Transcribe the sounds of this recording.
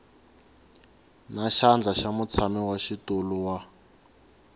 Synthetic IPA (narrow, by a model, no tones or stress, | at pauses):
naʃand͡ɮaʃamut͡sʰamiwaʃituluwa